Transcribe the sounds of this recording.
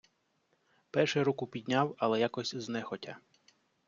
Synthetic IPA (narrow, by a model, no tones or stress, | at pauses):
pɛrʃɛɾukʊpʲid̪ʲnʲawɐlˠɛjakɔsʲznɛxɔtʲa̰